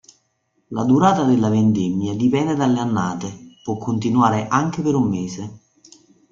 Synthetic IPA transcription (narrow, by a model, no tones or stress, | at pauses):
lad̪uɾaːt̪ad̪elːavend̪ɛmjad̪ipɛnd̪ed̪alːeanːaːt̪epwɔkʰːont̪̬inuaːɾeʔaŋk̟epeɾumːeːse